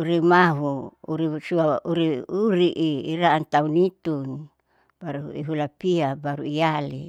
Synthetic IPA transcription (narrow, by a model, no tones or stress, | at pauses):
uɾimaɦuuɾisuaʔuɾiuɾiʔiːɾaant̪aunit̪un | b̥aɾuḭɦulapiabaɾuiali